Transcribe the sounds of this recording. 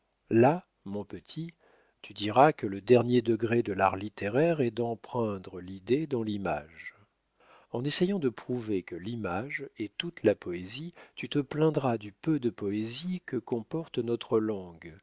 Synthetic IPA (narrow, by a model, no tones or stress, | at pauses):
la | mɔ̃pət̪ʰi | t̪yd̪iʁakələd̪ɛʁnjed̪əɡʁed̪əlaʁlit̪eʁɛʁɛd̪ɑ̃pχɛ̃d̪ʁəlid̪ed̪ɑ̃lima̰ʒ | ɑ̃nesejɑ̃d̪əpχuvekəlimaʒɛt̪ut̪lapɔezit̪yt̪əplɛ̃d̪ʁad̪ypød̪əpɔezikəkɔ̃pɔʁt̪nɔt̪χəlɑ̃ɡ